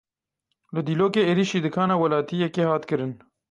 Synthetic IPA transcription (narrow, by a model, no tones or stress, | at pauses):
ləd̪iloːkeeɾiʃid̪əkʰɑːnawɐlɑːt̪ijekehɑːt̪kəɾən